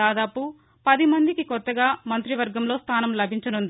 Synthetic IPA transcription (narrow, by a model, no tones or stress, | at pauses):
aːd̪aːpu | pɐd̪imɐnd̪ikikɔt̪ːɐɡaːmɐnt̪ɾiʋɐɾɡɐmlo̞ːst̪ʰaːnɐmlɐbʱiɲt͡ʃɐnund̪i